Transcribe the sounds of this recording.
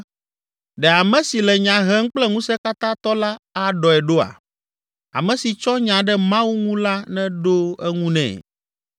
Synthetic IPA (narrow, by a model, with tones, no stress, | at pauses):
ɖɛ˨a˨mɛ̃˦si˨lɛ˨ɲã˨ɦɛ˦ŋ̩˦k͡plɛ˦ŋũ˦sɛ˦ka˦t̪ã˦t̪ɔ˦la˦a˨ɖɔ˨ɛ˨ɖo˦a̰˨ | a̰˨mɛ̃˨si˨t͡ʃɔ˦ɲã˨ɖɛ˦mã˦wu˦ŋũ˦la˦nɛ̃˦ɖo˦ɛ˦ŋũ˦nɛ̰̃˨